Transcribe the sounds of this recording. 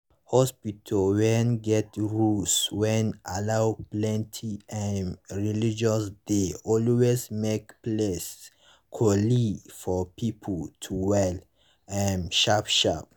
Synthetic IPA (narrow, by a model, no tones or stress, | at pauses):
hɔspitʰɔwɛnɡɛtɹuswɛ̃nalawplɛ̃ntʰiɛnɹilid͡ʒɔsdeɔlwesmekples | kʰɔlifɔpipʰətʰuwɛl | ɛnʃapʃa̰p̚